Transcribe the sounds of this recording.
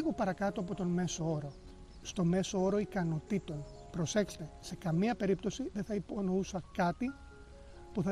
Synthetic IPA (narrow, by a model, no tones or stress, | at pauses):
ɣopɐɾɐkɐt̪uɐpo̞t̪o̞nme̞so̞o̞ɾo̞ | st̪o̞me̞soo̞ɾo̞ikɐno̞t̪it̪o̞n | pɾo̞se̞kse̥t̪e̞se̞kɐmiɐpe̞ɾipt̪o̞siðeθɐipo̞nousɐkɐt̪i | puθɐ